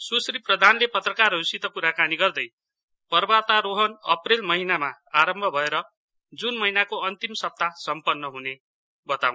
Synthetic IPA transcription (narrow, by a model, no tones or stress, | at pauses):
susriprʌd̪ʱanlepʌt̪rʌkarusit̪ʌkuɾakaniɡʌrd̪ʌj | pʌrbat̪aɾoɦʌnʌ̰prelmʌɦinamaaɾʌmbʱʌbʱʌeɾʌ | d͡zunmʌɦinakoʌnt̪imsʌp̚t̪asʌmpʌnːʌɦune | bʌt̪aw̃n